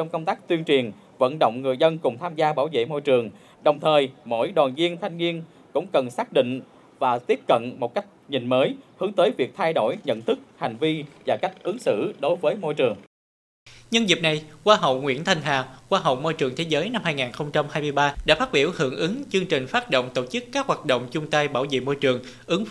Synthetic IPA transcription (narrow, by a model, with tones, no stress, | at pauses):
t͡ɕɔ˧wŋ͡mkə˧wŋ͡mt̪aː˦˥k̚t̪wi˧ənt͡ɕi˨˩ən | və̰˧˥nɗo̰˧˨wŋ͡mŋɨ˨˩əjzə˧nkʊ˨˩ŋ͡mt̪ʰaː˧mzaː˧ɓaː˧˩wvḛ˧˨mo˧jt͡ɕɨ˨˩əŋ | ɗə˨˩wŋ͡mt̪ʰəː˨˩jmo̰˧˥jɗwaː˨˩nzi˧ənt̪ʰa˧jŋ̟ŋi˧ən | kʊ̰˧˥ŋ͡mkə˨˩nsaː˦˥k̚ɗḭ̈˧˨ŋ̟ | vaː˨˩t̪i˦˥əp̚kə̰˧˨nmo˨˩t̚ka˦˥k̟̚ɲi˨˩ŋməː˨˦jhɨ˨˦əŋt̪əː˨˦jvi˨˩ək̚t̪ʰa˧jɗo̰˧˩jɲə̰˧˨nt̪ʰɨ˦˥k̚ha˨˩ŋ̟vi˧vaː˨˩ka˦˥jk̟̚ʔɨ˨˦ŋsɨ̰˧˨ɗo˨˦jvəː˨˦jmo˧jt͡ɕɨ˨˩əŋ | ɲə˧nzi˨˩p̚na˨˩jkwaː˧ɦə̰˧˨wŋwḭ˧˥ənt̪ʰa˧jŋ̟ɦa̰ː˧˨kwaː˧ɦə̰˧˨wmo˧jt͡ɕɨ˨˩əŋt̪ʰe˨˦zəː˨˦jna˧mhaː˧jŋaː˨˩nxə˧wŋ͡mt͡ɕa˧mhaː˧jmɨ˧əjɓaː˧ɗa̰ː˧˥faː˦˥t̚ɓi˧˩əwhɨ̰˧˩əŋʔɨ˨˦ŋt͡ɕɨ˧əŋt͡ɕï˨˩ŋ̟faː˦˥t̚ɗo̰˧˨wŋ͡mt̪o̰˧˩t͡ɕɨ˦˥kːaː˦˥k̚hwaː˨˩t̚ɗo̰˧˨wŋ͡mt͡ɕʊ˧ŋ͡mt̪a˧jɓaː˧˩wzḛ˧˨mo˧jt͡ɕɨ˨˩əŋ | ʔɨ˨˦ŋ